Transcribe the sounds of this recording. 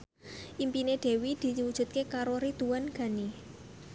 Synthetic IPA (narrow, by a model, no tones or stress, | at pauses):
ʔimpineɖ̥e̤wid̪̥i̤wud̥ʒ̥ṳt̪̚kekaɾoɾid̪̥uwanɡ̥a̤ni